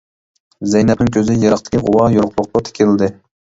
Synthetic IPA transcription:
zɛjnɛp̚nɪŋkʲʰøzɪjɑɾɑχt̪ɪ̥kʲʰiʁowɑjoɾqlˠʊq̚lɑt̪ʰe̥kʲilɪd̪ɪ

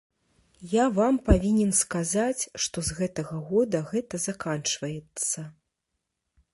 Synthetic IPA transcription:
javampavʲinʲɛnskazat͡sʲʂt̪ɔzɣɛt̪ɐɣɐɣɔd̪ɐɣɛt̪ɐzakant͡ʂvɐjɛt̪sːɐ

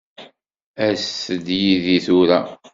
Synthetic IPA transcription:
æsəd̪jiðiθʊɾæ

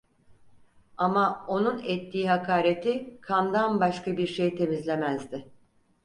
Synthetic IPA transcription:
amao̞nunɛt̪ːiːɦakʰaːɾe̞t̪ʰikʰand̪anbaʃkabiɾʃejt̪ʰe̞mizlʲe̞mæzd̪ɪ

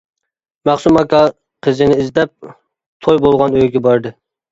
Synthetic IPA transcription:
mæχsumɑkʲɑ | qʰəzɪnɪizd̪ɛp̚ | t̪ʰojbolˠʁɑnøjɡʲɛbɑɾd̪ɨ

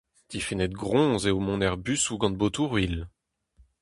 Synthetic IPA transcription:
d̪̥ifinɛt̪ɡʁɔ̃zeomɔ̃nɛʁbysuɡɑ̃d̪̚bot̪uʁɥil

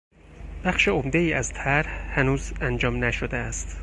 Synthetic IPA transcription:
b̥æχʃeomd̪eiːæzt̪ʰæɾhhænuːzænd͡ʒɒːmnæʃod̪eæst̪

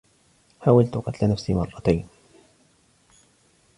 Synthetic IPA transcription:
ħaːwalt̪ʊqɑt̪lanafsimɑrˤːɑt̪ajn

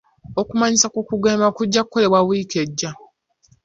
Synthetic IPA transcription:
okumaɲisakukuɡeːmakuɟːakukːo̞le̞βwawike̞ɟːa

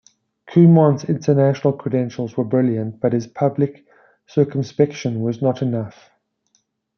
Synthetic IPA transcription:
kʰʉmɑ̃nzɪ̃ntʰənæʃənəlˠkʰɹ̥ədɛ̃nʃəlˠzwəbɹɪljə̃nt̚b̥ʌthɪz̥pʰʌblɪk | sɜˑkə̃mspɛkʃə̃nwɒznəɾɪnʌf

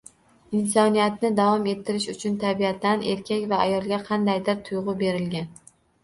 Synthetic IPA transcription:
ɪnsɒnijat̪nɪd̪avɒme̞t̪ʰːɪɾɪʃʊt͡ʃʰʊnt̪ʰabiat̪ʰːane̞ɾkʲakʲvaajɒlˠɡʲaqʰɑnd̪ajd̪ɪɾt̪ʰʊjʁʊbe̞ɾɪlɡʲan

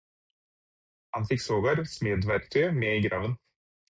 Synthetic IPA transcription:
hɑnfɪksoːɡɑɾsmeːd̪ʋæɾk̚t̪ʰœmeːiːɡɾɑːʋən

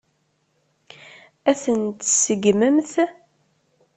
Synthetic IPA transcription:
æθənt̪səɡməmθ

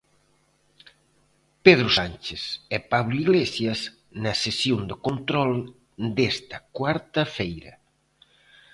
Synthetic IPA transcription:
peð̞ɾʊsant͡ʃesɛpaβlʊiɣlesjɐs | nɐsesjond̪ɪkont̪ɾɔl | d̪est̪ɐkwaɾt̪ɐfejɾɐ̰

